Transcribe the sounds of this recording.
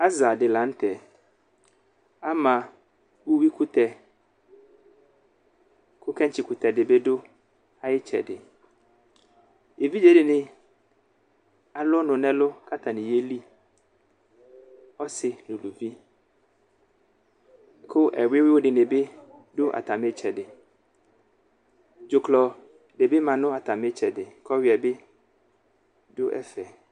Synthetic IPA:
a˦za˨dɪ˨lã˨˦n̩˦tʰɛ˨ | a˦mã˨ | wʊ˦wi˦kʰʊ˦tʰɛ˨ | kʰʊ˦kʰɛ̃˦ɲt͡ɕʰɪ˨kʰʊ˨tʰɛ˨dɪ˨be˦dʊ˦ | a˨jɪ˦t͡ɕʰɛ̰˨dɪ˨ | e˨vi˦d͡ʒe˨dɪ˨nɪ̃˦ | a˦lʊ˦nʊ̃˨nɛ̃˦lʊ˦kʰa˦tʰa˨nɪ̃˨je˦li˦ | ɔ˦sɪ˨nʊ̃˨lu˨vi˦ | kʰʊ˦ʔɛ˨wɪ˦wɪ˦wʊ˦dɪ˨nɪ̃˨bɪ˦ | dʊ˦ʔa̰˨tʰa˨mɪ̃˦t͡ɕʰɛ˨dɪ˨ | d͡ʒʊ˨kʰlɔ˨ | de˨bɪ˦mã˨nʊ̃˦a˨tʰa˨mɪ̃˦t͡ɕʰɛ˨dɪ˨kʰɔ˦wɪ˨a˨bɪ˦ | dʊ˦ʔɛ̰˦fɛ˨

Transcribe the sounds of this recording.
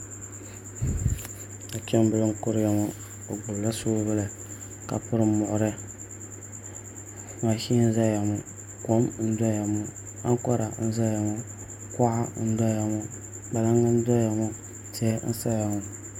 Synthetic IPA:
a˨t͡ʃɛ˦m˦bɨ˨lɨ˦m˦kʊ˦ɾja˨mo˦ | o˨ɡ͡bʊ˨lla˦suː˦bɨ˦la˨ | ka̰˨pʊ˦ɾɨ˦mʊ˨ʔʊ˨ɾɨ˦ | ma˨ʃi˦n̩˦za˦ja˨mɔ˨ | ko˦mn̩˦da˦ja˨mɔ˦ | a̰˦ŋ˦kɔ˦ɾa˨n̩˦za˦ja˨mɔ˦ | ka˦ʔa˦n̩˦da˦ja˨mɔ˦ | ba˨la˦ŋa˦n̩˦da˦ja˨mɔ˦ | tɛ˦n̩̰˦sa˦ja˨mɔ˨

